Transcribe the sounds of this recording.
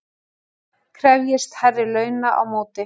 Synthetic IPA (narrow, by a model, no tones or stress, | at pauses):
kʰɾɛvjɪst̪hɛrːɪlœːɥnaʔa̰wmoːwt̪ɪ